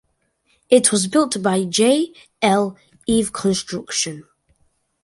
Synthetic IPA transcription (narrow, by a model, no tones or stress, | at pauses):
ɪʔʰwɒzbɪlˠʔb̥aɪd͡ʒeɪ | ɛlˠ | ivkʰə̃nstɹ̥ʌkʃə̃n